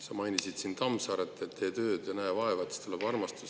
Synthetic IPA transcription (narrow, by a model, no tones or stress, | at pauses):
sɑmɑjnʲisid̪̥sint̪ɑmsɑɾet̪ːˑet̪ːe̞ːt̪ø̞ːd̪̥jɑnæːvɑevɑt̪ːˑst̪uleb̥ɑrmɑst̪us